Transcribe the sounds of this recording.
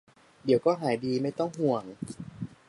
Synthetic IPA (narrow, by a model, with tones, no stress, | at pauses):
di˨˩˦wkɔː˥˩ɦaː˩˦jdiː˧ma˥˩jt̪ɔ˥˩ŋɦu˧˩əŋ